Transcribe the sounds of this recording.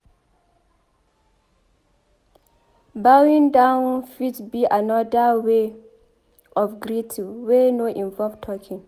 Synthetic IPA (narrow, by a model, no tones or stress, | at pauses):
bawĩŋdãʊ̃nfitbiʔanɔdəwe | ɔfɡɹitʰiwenoʔĩɱvɔlvtʰɔkʰĩŋ